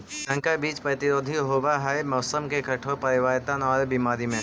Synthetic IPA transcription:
sə̃ŋkabiːt͡ʃpɾɐt̪ɪɾoːd̪ʱiɦoːbaɦaemɔːsəmkekʰɐʈʰopɐɾɪʋaːɪt̪anɔːɾbimaːɾimẽ

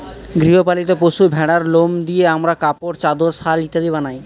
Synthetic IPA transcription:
ɡɾiɦopalit̪opoʃubʱɛɽaɾlomd̪ieamɾakapoɾt͡ɕad̪oɾsalit̪ed̪ibanaj

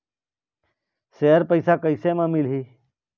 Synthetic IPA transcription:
seːəɾpəisaːkəiseːmãːmɪlɦiː

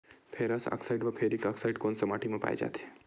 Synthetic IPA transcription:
pʰeɾasa̰ksaiɖʋɐpʰeɾikaksaiɖkonsəmaʈʰimãpa̰ːj̰d͡ʒa̰t̪ʰe̥

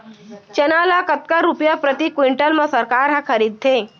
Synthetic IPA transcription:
t͡ʃɐnaːlakɐt̪̚kəɾʊpjapɾɐt̪ikwɪɳʈəlmẽsɐɾkaːɾɦɐ̃kʰɐɾiːd̪̚t̪ʰeː

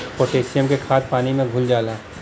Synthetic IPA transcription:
poːʈeːsijəmkekʰaːt̪̚paːnimẽɡʱʊld͡ʒaːlaː

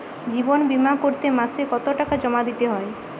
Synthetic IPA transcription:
d͡ʒibɔnbimakoɾt̪emasekɔt̪oʈakad͡ʒɔmad̪it̪eɦɔe

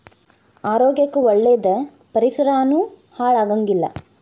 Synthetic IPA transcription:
aːɾoːɡjɐkːuɔɭːeːd̪ɐ | pɐɾisɐɾaːnuː | haːɭaːɡɐŋɡilːɐ̰

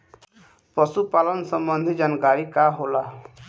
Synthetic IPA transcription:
pɔsupalɔnsɔmbɔnd̪ʱid͡ʒanɡaɽikaɦola

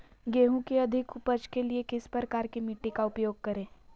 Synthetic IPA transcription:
ɡeːɦũkeɐd̪ʱɪkʊpəd͡ʒkeliekɪspɾəkaːɾkimɪʈːikaʊpjoːɡ̚kɐɾẽː

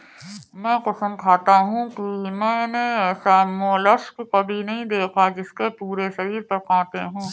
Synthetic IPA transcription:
mɛ̃ːqʊsəmkʰaːt̪aɦũkimɛ̃ːnesaːmolɐʃkkɐbʱinɐɦĩd̪eːkʰad͡ʒɪskepuːɾeʃɐɾiːɾpɐɾkʰãːt̪eɦũː

